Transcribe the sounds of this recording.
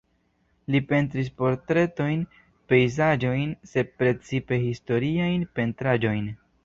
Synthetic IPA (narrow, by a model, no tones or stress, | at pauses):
lipe̞nt̬ɾis̬po̞ɾtɾe̞to̞jn | pe̞jzad͡ʒo̞jnse̞d̚pɾe̞t͡sipe̞histo̞ɾiajnpe̞ntɾad͡ʒo̞jn